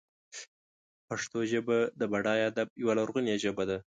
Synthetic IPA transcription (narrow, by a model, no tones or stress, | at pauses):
paʂt̪oʒəbad̪əbaɽɑjad̪ab̚jawalaɾɣunjaʒəbad̪a